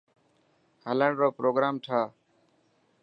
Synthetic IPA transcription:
hələɳɾoːpɾoːɡɾaːmʈʰaː

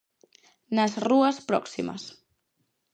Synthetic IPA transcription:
nəzruəspɾɔ̰ksḭmə̰s

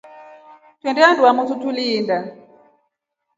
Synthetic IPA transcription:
twɛ̃ndɛanduwamututuliːnda

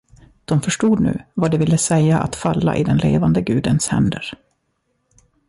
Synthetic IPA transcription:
d̪̥ɔmfœʂʈuːd̪nʉ̟̰ːvad̪ɛvɪlːəsɛjːaʔa̰t̪falːa̰ʔɪd̪ɛnleːvand̪əɡʉ̟ːd̪ənshɛ̰nd̪əɾ

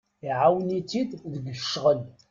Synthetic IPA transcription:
iʕawnit͡sːid̪ðəɡəʃʁəl

